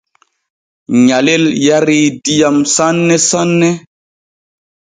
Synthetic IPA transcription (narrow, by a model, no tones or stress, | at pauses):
ɲaleljaɾidijamsanːɛsanːɛ